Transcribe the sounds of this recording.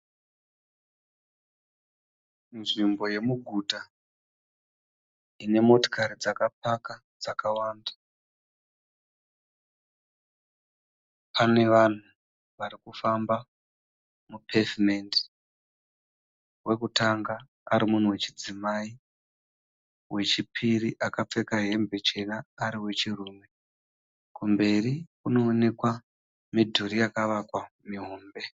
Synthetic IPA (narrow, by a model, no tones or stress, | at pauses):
nʐimbo̞je̞muɡʱuta | ine̞mo̞to̥kʰaɾid͡zakapaka | d͡zakawaːnda | pane̞ʋan̤u | ʋaɾikufamba | mupʰe̞vimendi̥ | wʔe̞kutaŋɡaː | ɾimun̤uwe̞t͡ʃid͡zimai | we̞t͡ʃipʰiriʔakap͡fe̞kaɦe̞mbe̞t͡ʃe̞naːɾiwe̞t͡ʃiruːme̞ | kumbe̞rikuno̞ːne̞kwa | midʱuɾijakaʋakwamiɦoːmbe̞